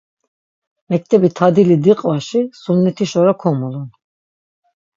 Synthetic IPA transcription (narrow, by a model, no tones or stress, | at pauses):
mɛk̚t̪ʰɛbit̪ʰad̪ilid̪iqʼvaʃisunːɛt̪ʰiʃɔɾakʰɔmulun